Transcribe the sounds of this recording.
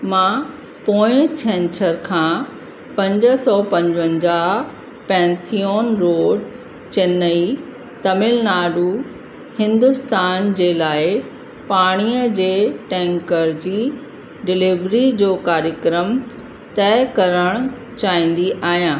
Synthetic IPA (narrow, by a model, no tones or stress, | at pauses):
mãː | poːɪ̃t͡ɕʰɛ̃nt͡ɕʰəɾkʰãː | pɐ̃ɲd͡ʑəsɔːpɐ̃ɲd͡ʑʋə̃ɲd͡ʑaː | pɛ̃ːnt̪ʰijoːnɾoːɖ | t͡ɕenːəi | t̪ɐmɪlnaːɖu | hɪ̃nd̪ʊst̪aːnd͡ʑeːlaːɪ | paːɽ̃iːəd͡ʑeːʈɛ̃ːŋkəɾd͡ʑiː | ɖɪlɪʋɾid͡ʑoːkaːɾjəkɾəm | t̪ɛɪkɐɾəɽ̃ | t͡ɕaːĩːn̆d̪iʔaːɦijãː